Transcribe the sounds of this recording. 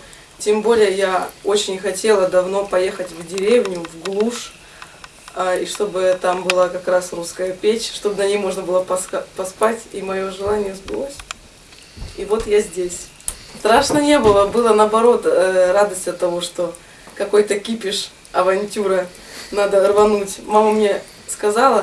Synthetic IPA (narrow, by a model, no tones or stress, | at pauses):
tʲembo̞lʲɪjəjao̞t͡ɕɪnʲxɐtʲe̞lˠəd̪ɐvno̞pɐje̞xətʲvdʲɪɾʲevnʲʊvɡlˠuʂ | aiʂt̪o̞bɨt̪ambɨlˠakɐkɾasruskəjəpʲet͡ɕʲʂt̪o̞bnɐnʲejmo̞ʐnəbɨlˠəpɐsapɐspatʲḭmɐjo̞ʐɨlˠanʲɪjəzbɨlˠosʲ | ivo̞t̪jazʲdʲesʲ | st̪ɾaʂnənʲe̞bɨlˠəbɨlˠənɐɐbɐɾo̞t̪əɾad̪əsʲtʲɐt̪ːɐvo̞ʂt̪o̞ | kɐko̞jt̪əkʲipʲɪʂ | ɐvɐnʲtʲuɾə | nad̪ərvɐnutʲmaməmnʲe̞ | skɐzalˠə